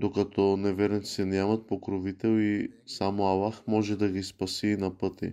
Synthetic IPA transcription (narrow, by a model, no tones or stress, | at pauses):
d̪okɐt̪ɔnɛvɛɾɛnt̪sɛnʲjamɐt̪̚pokɾovit̪ɛlˠisamoɐlˠaxmɔʒɛd̪ɐɡispɐsiːnɐpɤt̪ḭ